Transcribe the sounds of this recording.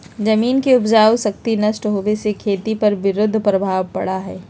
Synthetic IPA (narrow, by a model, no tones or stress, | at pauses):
d͡ʒɐmiːnkeʊpd͡ʒaːwsɐk̚t̪inɐʃʈɦoːʋesekʰeːt̪ipɐɾʋɪɾʊd̪ʱːpɾɐbʱaːʋpɐɽaɦɛː